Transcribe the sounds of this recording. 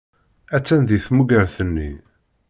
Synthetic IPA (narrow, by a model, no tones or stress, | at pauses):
æt͡sːænðiθmuɡəɾθənːḭ